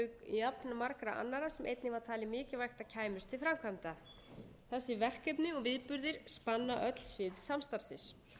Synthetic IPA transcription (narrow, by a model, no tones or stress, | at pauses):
kjapnamaɾkɾaʔa̰nːaɾasɛmʔḛjt̪nɪvaɾ̥t̪ʰaːlɪmɪːcɪvajxt̪aðcʰaːjmʏst̪ʰɪlfɾamkʰvamt̪a | θɛsːɪvɛr̥kɛpnɪɔɣvɪðpʏɾðɪɾ̥spanːaʔœt̪l̥svɪðsamst̪aɾsɪs